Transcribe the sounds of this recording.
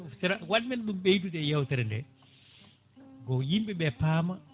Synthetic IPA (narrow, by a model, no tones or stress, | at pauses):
tɾawaɗmɛnɗumɓejtutɛjawtɛɾɛndɛ | ɡɔjimɓɛɓɛpaːma